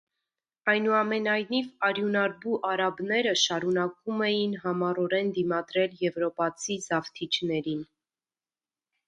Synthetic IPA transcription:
ɑjnuɑmɛnɑjnivɑɾjunɑɾbuʔɑɾɑbnɛɾəʃɑɾunɑkumɛjinɦɑmɑɾɔɾɛnd̪imɑd̪ɾɛljɛvɾɔpɑt͡sʰizɑvt̪ʰit͡ʃʰnɛɾin

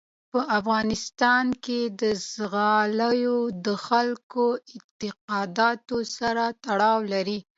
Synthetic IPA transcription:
pəʔafɣɑnɪst̪ɑnked̪əzɣɑləjod̪əxalkoɪt̪ɪqɑd̪ɑt̪osaɾat̪aɽɑwlaɾi

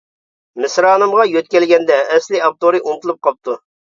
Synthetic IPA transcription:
mɪsɾɑːnɨmʁɑjøt̪̚kʲɛlɡʲɛnd̪ɛːslɪɑp̚t̪oɾɨʔunt̪ʰlˠup̚qʰɑp̚t̪ʰu

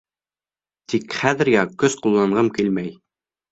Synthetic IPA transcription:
t̪ikχæðɘ̆ɾɡækɵsqulˠːɑɴʁɤmkilmæj

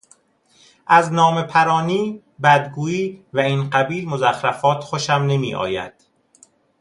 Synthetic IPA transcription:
ʔæznɒːmepʰæɾɒːniː | bæd̪ɡuːiːvæinɢæbiːlmozæxɾæfɒːt̪ʰxoʃæmne̞mḭːʔɒ̰ːjæ̰d̪̥

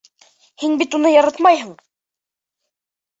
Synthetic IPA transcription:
hinbit̪unɤjɑɾɑt̪mɑjɦɤɴ

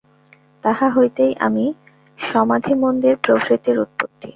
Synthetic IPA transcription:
t̪aɦaɦojt̪ejʔa̰mi | ʃɔmad̪ʱimond̪eɾpɾokʰɾit̪iɾut̪̚pot̪ːḭ

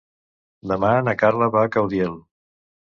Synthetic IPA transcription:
d̪əmanəkarləβakawðjɛlˠ

